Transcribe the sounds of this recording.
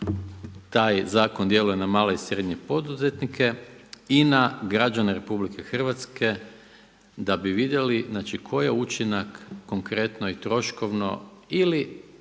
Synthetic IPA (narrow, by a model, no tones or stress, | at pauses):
t̪aːjzaːko̞nd̪je̞lujenamaːloisɾe̞d̪ɲe̞po̞d̪uze̞t̪nikʰe̞inaɡɾad͡ʒaneɾe̞publikʰe̞xr̩ʋat̪ske̞ | d̪abiʋid̪je̞liznaːt͡ʃikʰo̞jeut͡ʃinakːo̞ŋkɾe̞t̪no̞it̪ɾo̞ʃko̞ʋno̞̰ili